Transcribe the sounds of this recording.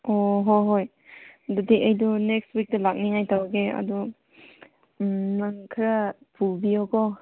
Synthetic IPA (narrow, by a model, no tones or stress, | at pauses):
oɦojɦoj | dudiʔejdunekstwik̚tɐlak̚niŋajtawaɡeɐ̰du | naŋkʰɾapʰubiokɔ